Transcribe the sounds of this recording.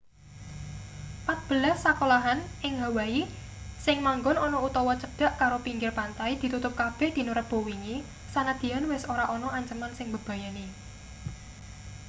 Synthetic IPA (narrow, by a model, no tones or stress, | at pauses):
pat̪̚b̥ə̤lahsakolaɦanʔɪŋɦa̤wai | sɪŋmaŋɡɔnɔnɔut̪ɔwɔt͡ʃəɖ̥a̤ʔkaɾopiŋɡɪrpant̪aid̪̥i̤t̪ut̪ʊp̚kab̥ɛ̤hd̪̥i̤nuɾət̪̚b̥o̤wiŋi | sanad̪̥i̤anwɪsoɾaʔɔnɔʔaɲt͡ʃəmansɪŋbəb̥a̤jani